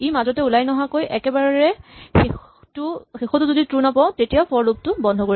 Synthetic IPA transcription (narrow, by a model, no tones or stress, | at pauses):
ejmazɔtɛulajnɔɦakojʔɛkɛbaɹɹɛxe | tuxexɔtʊzoditɹunapãʊ̃tetijapʰɔɹlup̚tʊbɔndʱɔkoɹi